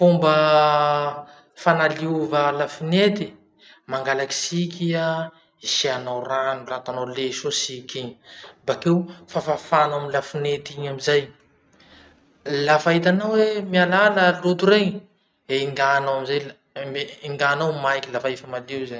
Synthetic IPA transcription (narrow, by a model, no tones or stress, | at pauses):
fumbə | fanaliuvəlafinet̪i | maŋɡalaki̥sikʲia | isianawranulat̪anawleʃosikʲiɲbakewfafafanamilafinet̪iɲamizaj | lafaɦit̪̬anawwemialaləlut̪uɾeɲ | eiŋɡanawamizaj | iŋɡanawmajkʲilafaifəmaliwzaɲ